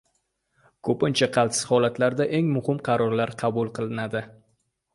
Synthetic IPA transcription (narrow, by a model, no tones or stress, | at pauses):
kʰɵpɪnt͡ʃʰaqʰɑlˠt̪sɪ̥z̥hɒlat̪laɾd̪aʔe̞ŋmʊhɪmqʰɑɾɒɾlaɾqʰɑbʊlˠqʰɨlˠɪnad̪ɪ